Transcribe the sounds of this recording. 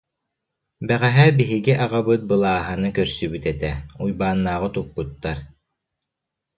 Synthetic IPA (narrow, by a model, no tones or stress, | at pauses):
bɛʁɛɦɛbiɦiɡiʔaʁabɯt̪̚bɯlˠaːɦanɯkœɾsybyt̪ɛt̪ɛujbaːnːaːʁɯt̪ukːut̪ːaɾ